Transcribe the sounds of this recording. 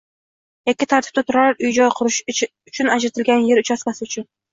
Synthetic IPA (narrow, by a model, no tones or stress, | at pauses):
ekʲːɪt̪ʰaɾt̪ʰɪ̥b̚t̪at̪ʰʊɾaɾʊjd͡ʒɒjqʰʊɾɪʃ | ʊt͡ʃʰʊnad͡ʒɾat̪ʰɪlɡʲanje̞ɾʊt͡ʃʰasmʲasɪʊt͡ʃʰʊn